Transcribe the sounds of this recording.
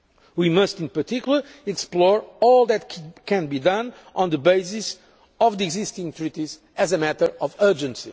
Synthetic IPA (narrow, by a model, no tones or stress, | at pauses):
wimʌstĩnpə˞t̪ʰikjulˠəɛksplɔɹɔlˠðɨt̪kʰɛ̃nbid̪ʌ̃n | ʔɔ̃nd̪əbeɪsis | ɔvðiɪɡzist̪ĩŋt̪ʰɹit̪iz | ɨzəmɛt̪ə˞ɔvɜ˞d͡ʒɨ̃nsi